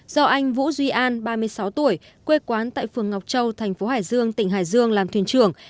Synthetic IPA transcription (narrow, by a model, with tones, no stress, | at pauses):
z̥ɔ˧ʔa˧jŋ̟vṵ˧˥zwi˧ʔaː˧nɓaː˧mɨ˧əjsa˨˦wt̪u˧˩əj | kwe˧kwaː˨˦nt̪a̰ː˧˨jfɨ˨˩əŋːa˨˩wk͡p̚t͡ɕə˧wt̪ʰɛ˨˩jŋ̟fo˨˦haː˧˩jzɨ˧əŋt̪ï˧˩ŋ̟ɦaː˧˩jzɨ˧əŋlaː˨˩mt̪ʰi˧˩ət͡ɕɨ˨˩əŋ